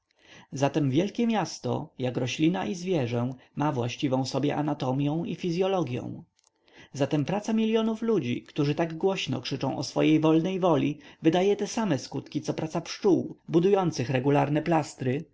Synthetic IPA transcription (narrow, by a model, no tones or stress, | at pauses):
zat̪ɛmvʲjɛlkʲɛmʲjast̪ɔ̰jakɾɔɕlʲinaʔizvʲjɛʐɛmavwa̰ɕt͡ɕivɔ̃w̃sɔbʲjɛʔanat̪ɔmʲjɛ̃w̃ifʲizʲjɔlɔɡʲjɔ̰̃w̃ | zat̪ɛmpɾat̪samʲilʲjɔnuflud͡ʑḭkt̪uʐɘt̪aɡɡwɔɕnɔ̰kʂɘt͡ʂɔ̃w̃ɔsfɔ̰jejvɔlnɛjvɔlʲivɘd̪ajɛt̪ɛsamɛskut̪kʲit̪sɔpɾat̪sapʂt͡ʂuwbud̪ujɔnt̪sɘxɾɛɡulaɾnɛplast̪ɾɘ